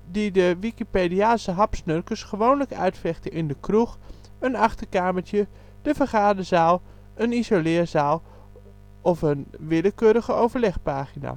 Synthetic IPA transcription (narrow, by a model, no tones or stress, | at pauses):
didəʋikipediaːsəɦɑpsnørkəsχəʋoːnləkœ̰ɥtfɛxtəʔɪndəkrux | ənɑχtərkaːməɹtjə | d̥əfərχaːdəzaːlˠ | ənizolɪːərzaːlˠ | ɔfənʋɪləkøːɾəɣəowvərlɛχpaːχina̰